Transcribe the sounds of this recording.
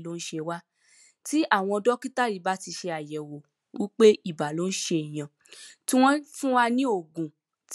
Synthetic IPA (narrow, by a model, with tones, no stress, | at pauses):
lo˨˦n̩˦ʃe˧wa˦ | ti˦ʔa˦˨w̃ɔ̃˧ɔ˧dɔ˦ki˦ta˦ɾi˨˦ba˦ti˧ʃe˧a˨jɛ˨wo˨ | wi˦k͡pe˦i˦˨ba˨lo˨˦n̩˦ʃe˧i˨j̃ã˨ | ti˦w̃ɔ̃˦fũ˦wa˧nĩ˦o˦˨ɡũ˨ | t